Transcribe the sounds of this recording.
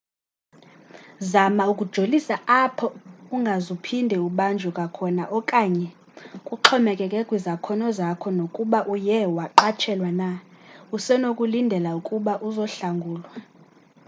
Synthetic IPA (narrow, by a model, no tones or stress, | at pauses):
zamaukʼud̥ʒ̥ʱolisaapʰɔuŋɡʱazupʰindʱɛuɓand͡ʒʱɔkʼakʰɔnaʔɔkʼaɲɛ | kʼuǃʰɔmɛkʼɛkʼɛkʼwizakʰɔnɔzakʰɔnokʼuɓaʔujɛwaǃat͡ʃʰɛlwanausɛnokʼulindʱɛlaukʼuɓaʔuzɔɬaŋɡʱuːlwa